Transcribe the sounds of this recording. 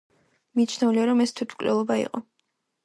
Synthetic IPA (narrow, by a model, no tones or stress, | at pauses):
mit͡ʃʰnɛuliaɾɔmɛst̪ʰwit̪ʰmkʼlɛ̰lˠɔbaḭqʼɔ